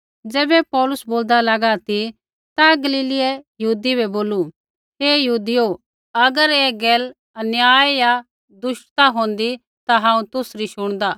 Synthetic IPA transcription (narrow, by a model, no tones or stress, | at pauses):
d͡zɛːbɛpɔːlʊsboːld̪alɐɡat̪i | t̪aɡɐliːlɪɛjɐɦuːd̪ibɛboːlu | ɦeːjɐɦuːd̪ijo | ɐɡəɾeːɡɛːl | ɐnjaːjja | d̪ʊʃʈt̪aɦõːnd̪i | t̪aɦãːũt̪ʊsɾiʃʊɽ̃d̪aː